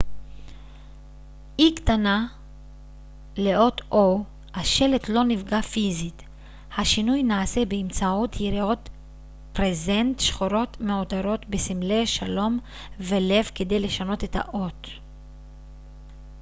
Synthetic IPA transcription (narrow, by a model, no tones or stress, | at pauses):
iktana | le̞ʔotʔo | haʃe̞let̪lo̞nivɡafizit | haʃinujnaːse̞beːmt͡saotjiɾio̞t | pɾeze̞ntʃχoɾo̞tmeotaɾo̞tbesimleʃalo̞m | ve̞le̞vke̞de̞jle̞ʃano̞te̞tʰa̰ʔot